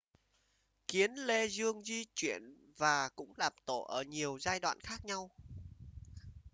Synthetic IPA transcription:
ki˨˦ənle˧zɨ˧əŋzi˧t͡ɕwḭ˧˨ən | vaː˨˩kʊ̰˧˥ŋ͡mlaː˨˩mt̪o˧˩˨ʔəː˧˩ɲi˨˩əwzaː˧jɗwa̰ː˧˨nxaː˦˥k̚ɲa˧w

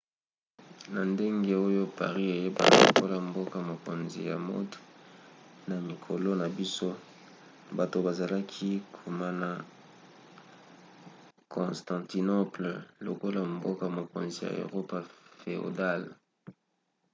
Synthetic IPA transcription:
na˨nde˦ŋɡe˦o˦jo˦pa̰˨ʁi˦e˨je˦ba̰˨lo̰˨ko˦la˨mbo˦ka˨mo˨ko˨nzḭ˨ja̰˨mo̰˦t | na˨mi˨kʰo˨lo˦na˨bi˦so˦ | ba˨to˨ba˨za˨la˦kʰi˦kʰu˨ma˦na˨ | kʰɔ̃˨stɑ̃˨ti˨no˦pllo˨ko˦la˨mbo˦ka˨mo˨ko˨nzi˨ja̰˨ḛ˨ʁo˦pa˨fe˨o̰˨da˦˨l

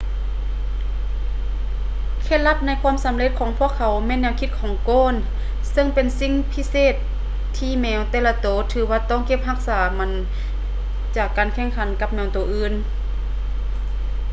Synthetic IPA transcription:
kʰe˧˩t̪̚la˧˥p̚na˧˥˨jkʰwuː˧˥˨msa˨˦mle˧t̪̚kʰɔː˨˦ŋpʰu˧˩˨əkʰːa˨˦wmɛː˧˨nːɛː˧wkʰi˧˦t̪̚kʰɔː˨˩˦ŋkoː˧˥˨n | sɤ˧˨ŋpe˨nsi˧˥˨ŋpʰi˧˥seː˧˩t̪ʰː | iː˧mɛː˧wt̪ɛː˧˩la˧t̪oː˨˩˦t̪ʰɯː˨˧˦waː˧t̪ɔː˧˩˨ŋke˧˥p̚ɦa˧˥k̚saː˩˦ma˧˥n | t͡ɕaː˨˩kːaː˨nkʰɛː˧˥˨ŋkʰa˨˦nka˧p̚mɛː˧˩wt̪oː˨˩ʔɯː˧˥n

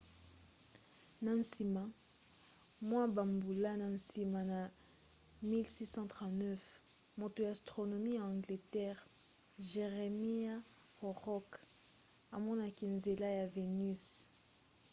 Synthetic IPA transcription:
na˨n˦si˨ma˨ | mwã˦ba˨mbu˨la˦na˨n̩˨si˨ma˨na˨ | mi˦lsi˦sɑ̃˦tʁɑ̃˨tnɛ˦f | mo˨to˨ja˨a˨stʁo˨no˨mi˦ja˨ɑ̃˨ŋɡle˨tɛ˦ʁ | ʒe˨ʁe˨mi˦a˦ | ho˨ʁɔ˦k | a˨mɔ˦na˨ke˨nze˨la˦ja˨ve˨ny˦s

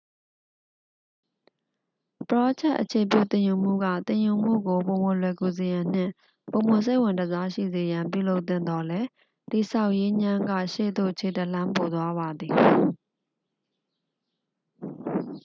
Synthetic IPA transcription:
pəɹɔ˦t͡ɕʰɛ˦ʔət͡ɕʰe˨p̬jṵ˦˨t̪ɪ̃˨ju˨m̥ṵ˦˨ɡä̰˦˨t̪ɪ̃˨ju˨m̥ṵ˦˨ɡo˨põ˨mʊ̃˨lwɛ˨ku˨ze˨jã˨n̥ɪ̰̃˦˨ | põ˨ʊ̃mʊ̃˨s̬e˦ɪwɪ̃˨ntə˨za˦ʃḭ˦˨ze˨jã˨mp̬jṵ˦˨lo˦ʊt̪θɪ̃˦˨nd̪ɔ˦lɛ˦ | ti˨sʰa˦˨ʊʔje˦ɲã˦ŋɡä̰˦˨ʃḛ˦˨d̪o̰˦˨t͡ɕʰe˨tə˨l̥ã˦mpo˨d̪wa˦βa˨d̪ði˨

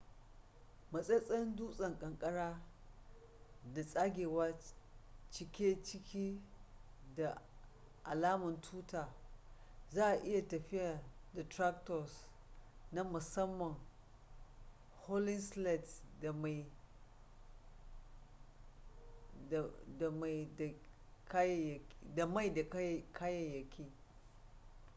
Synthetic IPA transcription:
mɐ˨sʼɛ˦sʼɐ˦nduː˦sʼɐ˨ŋkʼɐ˨ŋkʼɐ˦ɽaː˦ | da˨sʼa˦ɡʲeː˨waː˦ | t͡ʃɪ˦kʲeː˦t͡ʃɪ˦kʲiː˦ | da˨ | ʔa˨laː˦mɐ˨ntʰuː˦taː˨ | zaː˦ʔa˨ʔɪ˦ja˨tɐ˨ɸɪ˦ja˨da˨tɾa˦k̚tɔ˨s | na˦mʊ˨sɐ˦mːɐ˨ŋ | ho˦lɪ˦nslɛ˨tda˨ma˨ | da˨ma˨jda˨ | ka˦jda˨ma˦jda˨˦kʰa˦jɐ˨jːɐ˨kʲʰiː˦

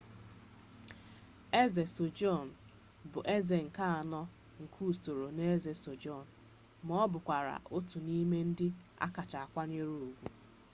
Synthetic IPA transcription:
e˦ze˨so˨d͡ʒɔ˦˨n̩˨ | bʊ˨ʔe˦ze˨ŋ̩˨ka˦a˨nɔ˦ | ŋ̩˨kʰu˦˨so˨ɾo˨ne˦ze˨so˨d͡ʒɔ˦˨n̩˨ | mɔ˦bʊ˨kʷa˨ɾa̰˨ʔo˦tu˨ni˦me˦n̩˦dɪ˦ | a̰˦ka˨t͡ʃa˨a˨kʷa˦ne˦ɾu˨u˨ɡʷu˦

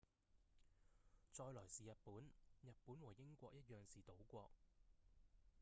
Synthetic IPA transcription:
t͡ʃɔː˧jlɔː˨˩jsiː˨jɐ˨t̚puː˨˥njɐ˨t̚puː˨˥nwɔː˨˩jɪ˥ŋkʷɔː˧k̚jɐ˥t̚jœː˨˩ŋsiː˨˩t̪o˨˥wkʷɔː˧k̚

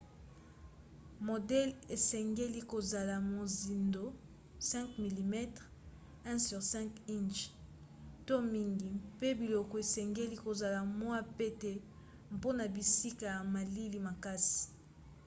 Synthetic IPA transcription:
mo˨dɛ˦le˨sɛ˨ŋɡe˦li˦ko˨za˨la˨mo˨zi˨ndo˦ | sɛ̃˦ŋkmi˨li˨mɛ˦tʁ | ɛ̃˦sy˨ʁsɛ̃˦ŋki˦nt͡ʃ | to˦mi˦ŋɡi˨pe˦bi˨lɔ˨kɔ˨e˨sɛ˨ŋɡe˦li˦ko˨za˨la˨mwa˦pe˦tɛ˦ | mpo˦na˨bi˨si˦ka˨ja˨ma˨li˦li˦ma˨ka˦si̥˨

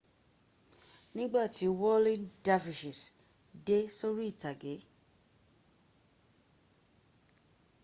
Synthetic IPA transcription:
nĩ˦ɡ͡ba˦˨tʰi˨˦wɔ˦lĩ˦nda˦fi˨ʃi˨s | de˦so˦ɾi˦i˦˨ta˨ɡe˨˦

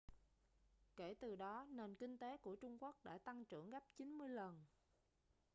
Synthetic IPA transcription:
ke˧˩t̪ɨ˨˩ɗɔ˨˦ne˨˩nkï˧ŋ̟t̪e˨˦ku˧˩ət͡ɕʊ˧ŋ͡mku˦˥ək̚ɗa̰ː˧˥˩t̪a˧ŋt͡ɕɨ̰˧˩əŋɣa˦˥p̚t͡ɕi˨˦nmɨ˧əjlə˨˩n

